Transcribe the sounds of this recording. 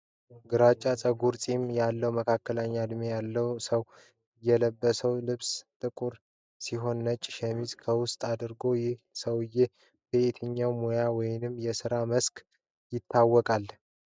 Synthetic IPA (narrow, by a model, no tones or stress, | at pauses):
ɡɨɾat͡ʃʼːat͡sʼəɡuɾt͡sʼimjalːəwməkʰakːələɲːad̪mejalːəwsəw | jɛləbːəsəwlɨβst̪ʼɨkʼuɾ | siɦo̞nːət͡ʃʼːɪʃɛmizkʰəwʊst̪ʼad̪ɨɾɡojɪhsəwɨjːe | b̥eet̪ʰɨɲːawmojawɔjnɨmːjɛsɨɾaməsk | jɪt̪ʰːawːɔkʼal